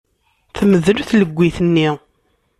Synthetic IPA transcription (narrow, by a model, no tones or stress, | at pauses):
θəməðlθləɡʷːiθənːi